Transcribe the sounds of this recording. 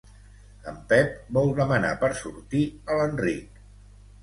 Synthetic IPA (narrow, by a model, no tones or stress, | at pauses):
əmpɛp̚bɔlˠðəməna̰pəɾsuɾt̪iələnrik̚